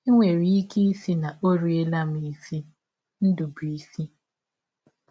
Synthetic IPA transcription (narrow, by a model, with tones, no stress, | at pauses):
i˦ŋʷe˨ɾi˦i˦ki˦i˦si˦na˨o˦ɾi˨e˦la˦mi˨i˨si˦ | n̩˦du˨bi˨si˦